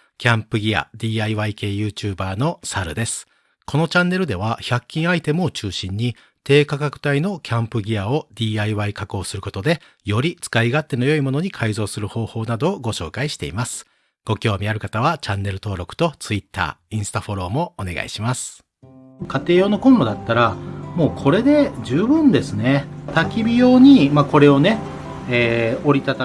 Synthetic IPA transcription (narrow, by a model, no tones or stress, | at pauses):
kʲãmpɯ̟ɡʲia̰d̪ʲiːaiβaike̞ːjɯ̟ːt͡ɕɨːbaːno̞saɾɯ̟̰d̪e̞sɨ̥ | ko̞no̞t͡ɕãnːe̞ɾɯ̟d̪e̞β̞açakʲːĩɰ̃ait̪e̞mot͡ɕɨːɕĩɲ̟ːi | t̪e̞ːkakakɯ̟̥t̪aino̞kʲʰãmpɯ̟ɡʲiao̞d̪ʲiːaiβaikako̞ːsɨɾɯ̟ko̞t̪o̞d̪e̞ | jo̞ɾʲit͡sɨ̥kaiɡat̪ːe̞no̞jo̞imo̞noɲ̟ikʰaizo̞ːsɨɾɯ̟ho̞ːho̞ːnad̪o̞ːɡo̞ɕo̞ːkaiɕi̥t̪e̞̰imasɨ̥ | ɡ̥o̞kʲo̞ːmʲiaɾɯ̟kat̪aβ̞at͡ɕãnːe̞ɾɯ̟t̪o̞ːɾo̞kɯ̥t̪o̞t͡sɨit̪ːa̰ːĩɰ̃sɨ̥t̪aɸo̞ɾo̞ːmo̞ːne̞ɡa̰ḭɕimasɨ̥ | kat̪e̞ːono̞kõ̞nɾo̞d̪at̪ːaɾamo̞ːkʰo̞ɾe̞d̪e̞d͡ʑɨːbɯ̟̃nd̪e̞sɨnet̪akʲibʲijo̞ːɲ̟imako̞ɾe̞o̞ne | eːoɾʲit̪at̪a